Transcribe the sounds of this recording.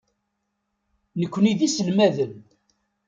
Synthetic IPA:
nəkʷːniðisəlmæðən

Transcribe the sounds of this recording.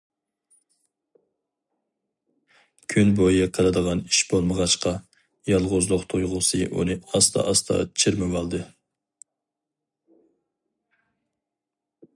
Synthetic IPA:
kʲʰynbojɨqʰɑɾɨd̪əʁɑniʃbolˠməʁɑʃqɑ | jɑlˠʁʊzlˠʊqt̪ʰujʁʊsɨʔṵnɨɑst̪ʰɑ̰ʔɑst̪ʰɑ̰t͡ʃʰɪɾmɪwɑlˠd̪ɨ

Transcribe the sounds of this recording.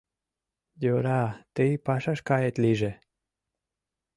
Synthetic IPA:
joɾɑt̪ijpɑʃɑʃkɑjet̪liʒĕ

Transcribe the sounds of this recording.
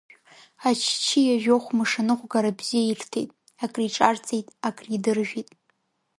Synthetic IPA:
at͡ʃʰt͡ʃʰijaʒᶣoχʷmɨʂanɨχʷɡaɾabz̥ijairtʰejtʼ | akʼriʈ͡ʂʼart͡sʼejtʼakʼridɨrʒᶣitʼ

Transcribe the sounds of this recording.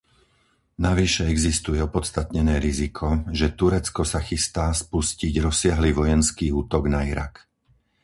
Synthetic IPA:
naʋiʃɛɛɡzist̪ujɛɔpɔt̪st̪at̪ɲɛnɛːɾizikʰɔʒɛt̪uɾɛt͡skɔsaxist̪aːspusciɟɾɔsɪaɦliʋɔjɛnskiːuːt̪ɔɡnaiɾa̰k

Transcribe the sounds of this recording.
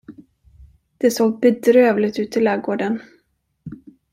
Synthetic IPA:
d̪̥ɛsoːɡ̚bɛd̪ɾøːvlɪɡt̪ʉ̟ːt̪ʰːɪlːɛːɡoːɖən

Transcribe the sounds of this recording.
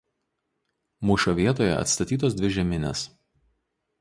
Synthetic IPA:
muːʃʲoʋʲiɛt̪oːjɛ̰ɐ̰t̪st̪ɐt̪ʲiːt̪oːsd̪ʲʋʲɪʒʲɛmʲɪnʲḛs

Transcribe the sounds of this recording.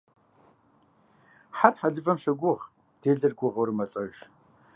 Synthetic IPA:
ħarħaɮɨvɐmɕɐɡʷʊʁ | d̥eːɮɐrɡʷʊʁɐwrmɐɬʼɐʒ

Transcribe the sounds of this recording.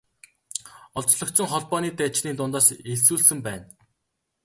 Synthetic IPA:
ɔɮt͡ɕɮɞ̆kt͡sɞ̆ŋχɔɮpɔːniːt̪æt͡ɕniːt̪ʊnt̪ɔːseɮsuːɮsɘ̆mpæːn

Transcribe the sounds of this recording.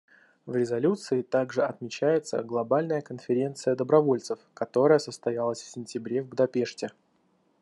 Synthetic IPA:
vɾʲɪzɐlʲut̪sɨɪt̪aɡʐɨɐt̪mʲɪt͡ɕæjɪt̪sə̰ɡlˠɐbalʲnəjəkənfʲɪɾʲe̞nt̪sɨjəd̪əbɾɐvo̞lʲt̪sɨfkɐt̪o̞ɾəjəsəst̪ɐjalˠəsʲfsʲɪnʲtʲɪbɾʲe̞vɡʊd̪ɐpʲe̞ʂtʲɪ

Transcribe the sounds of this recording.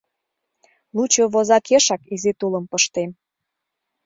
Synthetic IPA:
lut͡ɕoβozɑkʰeʃɑkizit̪ulə̆mpəʃt̪em

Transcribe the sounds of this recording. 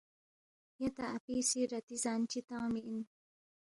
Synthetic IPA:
jat̪aʔapisiɾat̪izant͡ʃit̪awmiʔin

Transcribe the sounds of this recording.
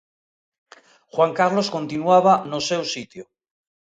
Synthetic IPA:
xwaŋkaɾlo̞sko̞nt̪inuaβ̞anosewsit̪jo

